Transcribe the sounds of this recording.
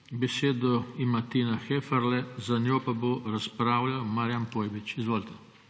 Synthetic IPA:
bɛseːd̪ɔimat̪iːnaxefaɾlɛzanʲjoːpaboɾaspɾaːwlawmaɾjanpoːjbit͡ʃizʋoːlt̪ɛ

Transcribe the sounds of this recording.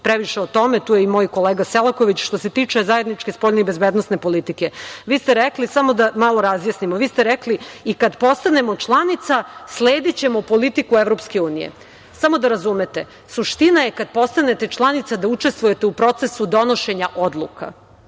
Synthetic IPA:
pɾeʋiʃeot̪o̞me̞t̪uːjeimo̞jko̞leːɡaselˠako̞ʋit͡ɕʃt̪o̞se̞t̪iːt͡ʃe̞zajed̪nit͡ʃke̞spo̞ʎʲneibezbed̪nosne̞po̞lit̪ikeʋiːst̪eɾeklisamo̞d̪amalˠoɾazjasnimoʋiːst̪eɾekliikad̪po̞st̪ane̞mo̞t͡ʃlˠanit̪sasleːd̪it͡ɕe̞mo̞po̞lit̪ikueʋɾo̞pske̞uːnijḛ | samo̞d̪aɾazume̞t̪e̞ | suʃt̪inaje̞kad̪̚po̞st̪ane̞t̪e̞t͡ʃlˠanit̪sad̪aut͡ʃest̪vuje̞t̪e̞upɾo̞t̪se̞sud̪o̞noʃe̞ɲaʔo̞d̪lˠṵka̰

